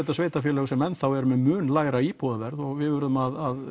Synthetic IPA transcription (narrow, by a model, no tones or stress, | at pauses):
ɛt̪asveːjt̪afjɛlɛːɣʏsɛmɛnθawɛɾʏmɛmʏːnlaːjɾaipʰɔːðavɛɾðɔɣvɪðvʏɾʏðʏmaðað